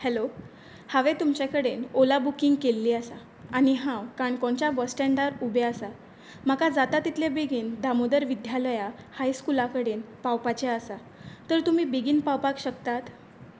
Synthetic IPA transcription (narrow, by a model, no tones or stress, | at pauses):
hɛlo | haʋet̪umt͡ɕakəɽenolabukiŋɡkelːiːəsa | aniɦãwkaɳkõɳt͡ɕabəsʈɛɳɖaɾubʱeəsa | makad͡zat̪at̪ːit̪ljebeɡiːnd̪ʱamod̪əɾʋid̪ʱjaləja | hajskulakəɽenpawpat͡ɕeəsa | t̪əɾt̪um̤iːbeɡiːnpawpakɕək̚t̪at̪